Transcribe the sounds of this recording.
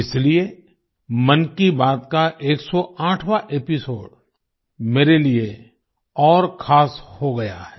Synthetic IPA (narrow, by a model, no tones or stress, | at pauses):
ɪslie | mɐnkibaːt̪kaʔeːksɔãːʈʰwaʔepɪsoːɖ | meːɾelie | ɔːɾkʰaːshoɡɐja̰hɛː